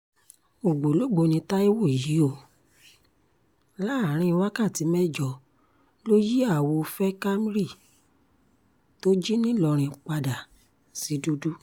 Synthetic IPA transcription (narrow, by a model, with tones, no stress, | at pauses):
o˨ɡ͡bo˨lo˨˦˨ɡ͡bo˨˧nĩ˧ta˦i˦wo˦˨ji˨˦o˧ | la˦˨ɾ̃ĩ˧wa˦ka˦˨ti˨˦mɛ˦d͡ʒɔ˧˨ | lo˦ji˦a˦˨wo˧fɛ˦ka˦mi˦ɾi˦˨ | to˦d͡ʒi˦nĩ˦lɔ˧ɾ̃ĩ˨˧k͡pa˧da˨ | si˨˦du˦du˦